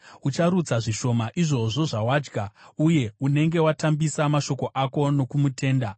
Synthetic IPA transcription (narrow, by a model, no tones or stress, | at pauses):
ut͡ʃaɾud͡zaʐiʃo̞maʔiʐo̞ʐo̞ʐawaːd͡ʒɡʱauje̞une̞ŋɡe̞watambisamaʃo̞ko̞ʔako̞no̞kumutʰe̞ːnda